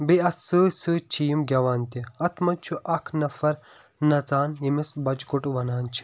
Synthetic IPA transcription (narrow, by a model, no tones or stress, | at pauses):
biɐsɨsɨt͡ʃʰijimɡʲɐʋaːnt̪iɐt̪ʰmɐt͡ʃʰuʔɐkʰnɐfɐɾ | nɐt͡saːnjimisbɐt͡ʃɡuʈʋɐnaːnt͡ʃʰi̥